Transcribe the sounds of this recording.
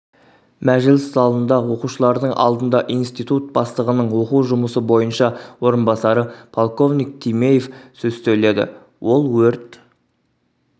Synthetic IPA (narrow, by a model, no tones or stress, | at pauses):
mæʒɪlɪszɑlˠənd̪ɑwo̞quʃəlˠɑɾd̪əɴʔɑ̰lˠd̪ənd̪ɑʔijnst̪ijt̪ut̪̚b̥ɑst̪əʁənəɴwo̞quwʒʊməsəbo̞jənʃɑwo̞ɾənbɑsɑɾəpʰolˠko̞vnijk̚t̪ʲʰijme̞jefsɵzt̪ele̞d̪ɪ̰ | wo̞lˠwɵɾt̪